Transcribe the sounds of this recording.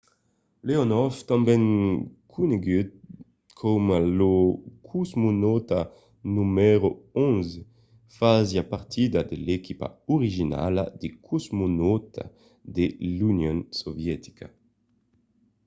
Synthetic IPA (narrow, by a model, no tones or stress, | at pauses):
leonɔft̪ãmbɛŋkʰuneɡyd̪̚ | kʰomalokʰuzmunɔt̪a | numɛɾoõnze | fazjapaɾt̪ʰid̪ad̪elekipa̰oʁiʒina̰lad̪ekʰuzmunɔt̪ʰa̰ | d̪elunjõnsovjɛt̪i̥kʰa